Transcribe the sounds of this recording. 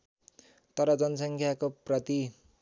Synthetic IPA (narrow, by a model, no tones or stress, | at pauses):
t̪ʌɾʌd͡zʌnʌsʌŋkʰjakoprʌt̪i